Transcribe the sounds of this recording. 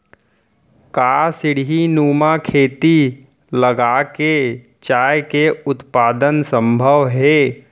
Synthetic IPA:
kasɪɽ̤ɦinuːmakʰeːt̪i | ləɡaːke | t͡ʃaːjkeʊt̪paːd̪ənsə̃mbʱəʋɦɛː

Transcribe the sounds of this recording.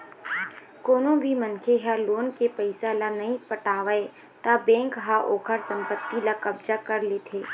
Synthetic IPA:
koːnõbʱimənkʰeɦaloːnkepəɪsalanɐɦĩpəʈaːʋae | t̪abɛ̃ːŋkɦaʔoːkʰəɾsə̃mpət̪ːilakɐbd͡ʒakɐɾleːt̪ʰeː

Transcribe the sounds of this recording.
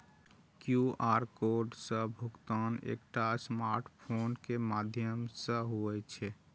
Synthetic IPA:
kjuaɾkoɾɖsə̃bʱukt̪anḛk̚ʈasmaɾʈpʰonkemad̪ʱjəmsə̃ɦuɛt͡ʃʰɛ

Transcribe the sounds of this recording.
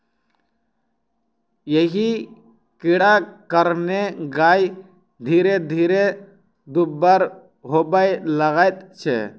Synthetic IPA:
jeɦi | kɪɽakəɾneɡaːj | d̪ʱiːɾed̪ʱiːɾe | d̪ubːaɾ | ɦobajləɣajt̪̚t͡ʃʰɛ̰

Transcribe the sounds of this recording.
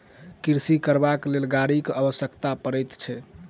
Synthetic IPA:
kiɾsikəɾbaklelɡaɾikəbəsjəkt̪apəɾəjt̪t͡ʃʰɛ

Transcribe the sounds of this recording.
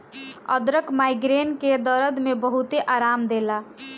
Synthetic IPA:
ʌ̰d̪ɾəkmajɡɾenked̪ʌɾəd̪mebʌɦut̪eʔaɾamd̪ela

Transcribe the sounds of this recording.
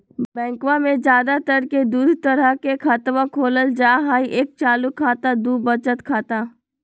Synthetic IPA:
bɛ̃ːŋkʋãmẽd͡ʒjaːd̪at̪əɾked̪uːd̪ʱt̪əɾəkekʰat̪ʋãkʰoːləld͡ʒaːɦaːiʔeːk̚t͡ʃaːlukʰːaːt̪ad̪uːbət͡ʃət̪kʰaːt̪a

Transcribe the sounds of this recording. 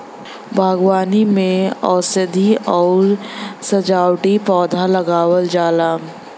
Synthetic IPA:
bʱaːɡwaːnimẽɔːsɪd̪ʱiɔːɾsɐd͡ʒaːwʈipɔːd̪ʱalɐɡaːwəld͡ʒaːlaː

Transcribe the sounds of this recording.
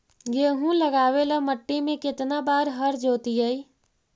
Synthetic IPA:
jeːɦũləɡaːweləməʈːimẽkɪt̪nabaːɾɦəɾd͡ʒoːt̪ijəi

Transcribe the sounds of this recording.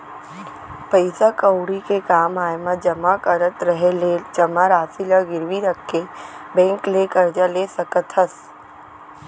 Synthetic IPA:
pəɪsakəwɽikekaːmaːjmãd͡ʒəmakəɾət̪ɾəɦeled͡ʒəmaɾaːsiləɡɪɾʋiɾəkʰːebɛ̃ːŋklekəɾd͡ʒaleːsəkət̪ɦəs

